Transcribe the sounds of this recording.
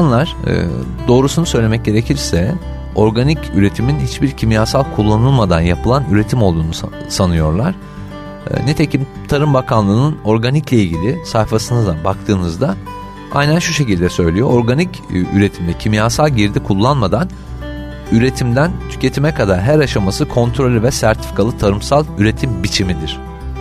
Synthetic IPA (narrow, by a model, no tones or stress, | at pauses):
anlˠaɾ̥ɯ̰ | d̪o̞ːɾusunusø̞jlʲemɛc̚ɟe̞ɾe̞cʰiɾsɛ | o̞ɾɡanicyɾe̞t̪ʰiminhit͡ʃbiɾcʰimjaːsalˠkʰulˠːanɯlˠmad̪anjapʰɯlˠanyɾe̞t̪ʰimo̞lˠd̪uːnu | sanɯjo̞̰ɾlˠaɾ̥̰ | net̪ʰe̞cʰim | t̪ʰaɾɯmbakʰanlˠɯːnɯno̞ɾɡaniclʲeilʲɟʲilʲisajfasɯnɯd̪abak̚t̪ʰɯːnɯzd̪a | a̰jnænʃuʃe̞cilʲd̪ɛsø̞jlʲijo̞oɾɡanic | yɾe̞t̪ʰimd̪ɛcʰimjaːsalˠɟiɾd̪ikʰulˠːanmad̪an | yɾe̞t̪ʰimd̪ænt̪ʰy̥cʰe̞t̪ʰimɛkʰad̪aɾɦæɾaʃamasɯkʰo̞nt̪ʰɾo̞lʲivɛsæɾt̪ʰi̥fi̥kʰalˠɯt̪ʰaɾɯmsalˠyɾe̞t̪ʰimbit͡ʃʰimid̪iɾ̝̥